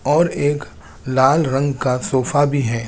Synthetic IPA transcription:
ɔːɾeːk | laːlɾɐ̃ŋɡkasoːfabʱiɦɛː

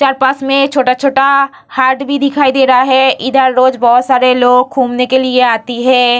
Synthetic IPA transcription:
t͡ʃaːɾpaːsmẽkt͡ʃʰoːʈat͡ʃʰoːʈa | haːɾʈbʱid̪ɪkʰaːid̪eːɾɐaɦɛʔɪd̪ʱəɾːoːd͡ʒbɔɦʊt̪saːɾeloːɡkʰuːmnekelieaːt̪iɦɛ̃ː

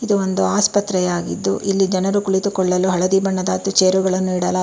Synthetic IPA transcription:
id̪uond̪uaːspɐt̪ːɾɛjaːɡḭd̪ːuʔilːid͡ʒɐnɐɾukuɭit̪ukɔɭːɐluɦɐɭɐd̪ibɐɳːɐd̪aːt̪ːut͡ʃeːɾuɡɐɭɐnːuiɽɐla

